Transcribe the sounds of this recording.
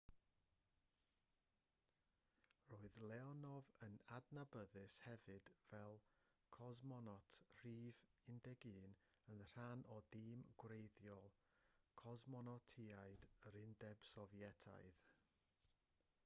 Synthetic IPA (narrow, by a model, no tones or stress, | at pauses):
roːɨðlˠɛɔnɔvənadnabəðɨshɛvɨd̥vɛlˠ | kʰɔzmɔnɔtʰr̥iːvɪndɛɡɨːnənr̥anɔdiːmɡ̥wrejðjɔlˠ | kʰɔzmɔnɔtʰiaɨdəɾɪndɛb̥sɔvjɛtʰa̰ɨð